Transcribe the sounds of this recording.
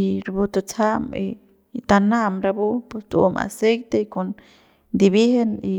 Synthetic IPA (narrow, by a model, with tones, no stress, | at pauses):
i˧ɾbu˧t̪u˧t͡sʰa˦mi | t̪a˧na˦mɾa˧bu˦pu˧st̪ṵ˧ma̰˨se˦jt̪e˧ku˧n | d̪i˧bi˦he˦ni